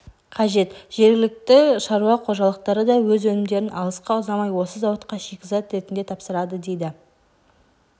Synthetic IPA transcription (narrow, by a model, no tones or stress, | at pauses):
qʰɑʒe̞t̪ʒ̥e̞ɾɡʲɪlɪk̚t̪ɪʃɑɾuɑqʰo̞ʒɑlˠəqt̪ɑɾəd̪ɑwɵzwɵnɪmd̪e̞ɾɪnɑlˠəsqɑʊzɑmɑjwo̞səzɑwɑt̪qɑʃekʲɪzɑt̪ɾe̞t̪ɪnd̪e̞t̪ʰɑpsəɾɑd̪əd̪e̞jd̪ɪ